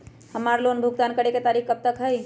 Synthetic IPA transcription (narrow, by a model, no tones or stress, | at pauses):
həmaɾlonbʱuɡ̚t̪aːnkəɽeket̪aːɾikkəb̚t̪əkɦəj